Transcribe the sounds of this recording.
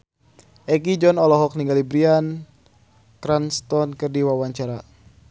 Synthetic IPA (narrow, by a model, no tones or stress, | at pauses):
ɛkid͡ʒɔnɔlɔɦɔk̚niŋɡalibɾian | kɾanst̪ɔnkɨrdiwawaɲt͡ʃaɾa